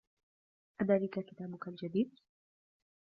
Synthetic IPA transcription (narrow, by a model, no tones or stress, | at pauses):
ʔad̪aːlɪkakɪt̪aːbʊkald͡ʒad̪iːd̪̚